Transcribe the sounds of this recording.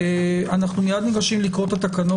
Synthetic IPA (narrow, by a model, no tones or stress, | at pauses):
anaχnumijad̪niɡaʃimlikʁo̞t̪at̪akano